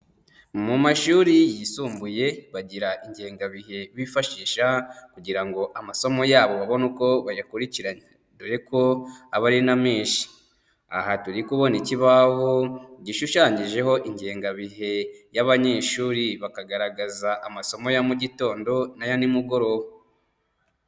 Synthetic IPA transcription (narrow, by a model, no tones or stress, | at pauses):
mumaʃuːɾijisuːmbuje̞βaɟiɾaʔiɲɟeːŋɡaβihe̞βifaʃiːʃakuɟiɾaŋɡoʔamaso̞mo̞jaːβo̞βaβo̞nuko̞βajakuɾiciɾaɲe | dojeko̞aβaɾinameːʃi̥ | a̰hatuɾikuβo̞niciβaɦoɟiʃuʃaːɲiʒe̞ɦo̞ʔiɲɟe̞ːŋɡaβiɦe̞jaβaɲe̞ːʃuːɾiβakaɡaɾaɡazaʔamaso̞mo̞jamuɟito̞ːndo̞najanimuɡo̞ɾo̞wo